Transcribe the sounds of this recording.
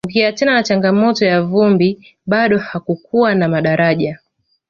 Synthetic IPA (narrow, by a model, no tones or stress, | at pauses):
uɡiatɛnanat͡ʃaŋɡamɔtɔjavumbi | ɓaɗɔhakukuwanamaɗaɾaʄa